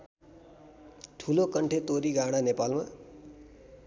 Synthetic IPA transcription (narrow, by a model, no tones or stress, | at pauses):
ʈʰulokʌɳʈʰet̪oɾiɡaɽ̃anepalma